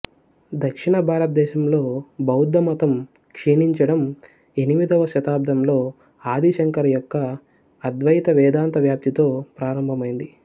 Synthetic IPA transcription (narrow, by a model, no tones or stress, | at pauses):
d̪ɐkʂiɳɐbʱaːɾɐt̪̚d̪ɛːʃɐmlo̞ːbɐwud̪ːɐmɐt̪ɐm | kʂeːniɲt͡ʃɐɽɐm | e̞niʋid̪ʱɐʋɐʃɐt̪aːb̚d̪ʱɐmlo̞ː | aːd̪ʱiʃɐŋkɐɾɐjɔkːɐː | d̪ʋɐjit̪ɐʋɛːd̪aːnt̪ɐʋjaːp̚t̪it̪o̞ːpɾaːɾɐmbʱɐmɐjind̪i